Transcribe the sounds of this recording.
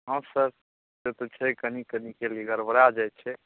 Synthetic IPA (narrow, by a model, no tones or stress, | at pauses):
ɦə̃səɾ | set̪ot͡ʃʰɛkənikənikeliɡəɾbəɾad͡ʒajt͡ʃʰɛ